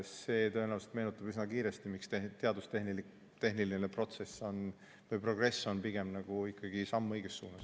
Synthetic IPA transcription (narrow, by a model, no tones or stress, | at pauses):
se̞ːt̪ø̞enæːvset̪me̞ːnut̪ːˑɑbisnɑkiːɾe̞st̪imikst̪et̪e̞ɑd̪ust̪e̞hnilik | t̪e̞ɦnilinepro̞t̪se̞sːo̞n | vejpro̞ɡ̥re̞sːo̞npiɡ̥e̞mnɑɡ̥uikːɑɡ̥isɑmːɤjɡ̥esːuːnɑs